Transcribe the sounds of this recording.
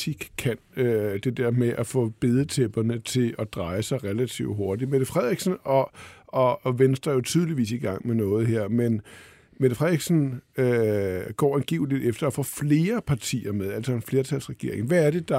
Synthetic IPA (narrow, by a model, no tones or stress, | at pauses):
iɡ̥kʰːænød̥e̝d̥eɐmeʔæfɔ̰̽ːb̥e̝ð̞ˠət͡sʰeb̥ɐnət͡sʰe̝lɒd̥ʁɑ̈ɪsɑ̈ɪʁɛlæt͡sʰḭʊdɦo̝ɐd̥i̥með̥əfʁɛð̰ˠiɡ̥sn̩ɒ̽ɒ̽ʋensd̥ʁɐjo̝t͡sʰyːð̞ˠliʋḭːsiɡ̥ɑ̈ŋ̰menɔ̽ːð̞̩ˠɦeɐ̰men | með̥əfʁɛð̰ˠiɡ̥sn̩øɡ̥ɒ̰ːenɡ̥ḭːʊlid̥ˠefd̥ɐːfɔ̰̽ːfle̝ːɐpʰɑ̈t͡sʰḭːɐmeðˠæl̰sɒ̽e̝nfle̝ːɐt͡sʰæl̰sʁɛɡ̥e̝ɐe̝ŋʋææɐɾ̥e̝d̥ɑ̈